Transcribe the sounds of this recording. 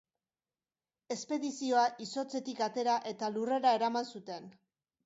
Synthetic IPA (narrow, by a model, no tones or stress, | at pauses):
e̞spe̞ðisio̞aʔiso̞t͡se̞t̪ikat̪e̞ɾaʔe̞t̪alure̞ɾae̞ɾamansut̪e̞n